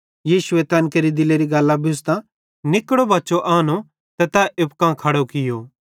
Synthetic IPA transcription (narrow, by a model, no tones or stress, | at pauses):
jiːʃʊet̪ɐnkeɾid̪ɪleɾiɡɐːlːãbʱiʊs̬t̪ã | nɪkːəɽobɐtːt͡ʃoʔaːno | t̪ɛt̪aʔɪpkãːkʰɐɽokɪjoː